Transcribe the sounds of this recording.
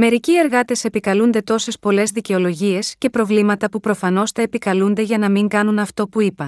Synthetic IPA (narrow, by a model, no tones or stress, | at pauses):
me̞ɾicie̞ɾɣɐt̪e̞se̞pikɐlund̪e̞t̪o̞se̞spo̞le̞zðice̞o̞lo̞ʝie̞sce̞pɾo̞vlimɐt̪ɐpupɾo̞fɐno̞st̪eːpikɐlund̪e̞ʝɐnɐmiŋɡɐnunɐft̪o̞puipɐ